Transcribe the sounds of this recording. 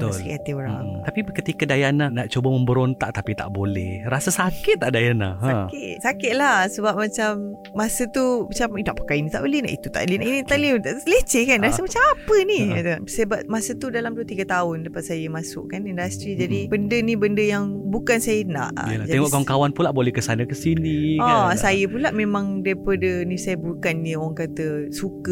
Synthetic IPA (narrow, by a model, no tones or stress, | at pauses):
ət̪skiat̪ioɾa̰ŋt̪apikət̪ikadajanahnaʔt͡ʃobaməmbəɾont̪a̰ʔt̪apit̪a̰ʔbolɛhɾasasakɪt̪ːaʔdajana̰haãkɪt̪sakɪʔ̪̚lasəbap̚mat͡ʃamː | asət̪umat͡ʃaminaʔpḁkainit̪aʔbəlɛhnaʔḭt̪u̥t̪a̰ʔblinaʔinit̪alit̪aʔələt͡ʃɛhkanɾasəmat͡ʃamapənisabaʔmasət̪udalamduət̪iɡat̪aʊndəpat̪̚sajəmasʊ̰ʔkanindast̪ɾid͡ʒadibəndənĩbəndəjaŋbukansajənã̰ʔld͡ʒaeŋɔʔkawakawanpulaʔbolɛhkəsanakəsiniaasajəpulaʔmẽmãŋdajəpadənĩsajəbukanɲə̃oɾaŋkat̪əsukə